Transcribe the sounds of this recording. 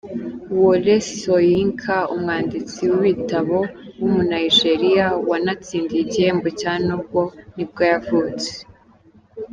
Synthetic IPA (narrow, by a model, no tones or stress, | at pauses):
wolesojiŋkʰaumŋaːndit͡siwuβitaβo̞wumunaiʒeɾijawanat͡siːndiiɟihe̞ːmbocaːnub̚ɡo̞nib̚ɡajavuːt͡se̥